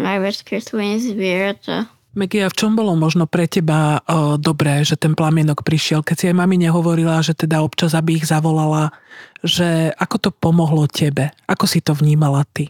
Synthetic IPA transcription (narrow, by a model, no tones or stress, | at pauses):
najʋɛskislinzʋiɹt̪a̰ | mɛɡiaft͡ʃɔmbɔlɔmɔʒnɔpɾɛcɛbad̪ɔbɾɛːʒɛt̪ɛnplamɪɛnɔkpɾiʃɪɛlkɛcsiajmamiɲɛɦɔʋɔɾilaʒɛt̪ɛd̪aɔpt͡ʃazabiːɣzaʋɔlalaʒɛakɔt̪ɔpɔmɔɦlɔcʰɛbɛʔakɔsit̪ɔʋɲiːmalat̪i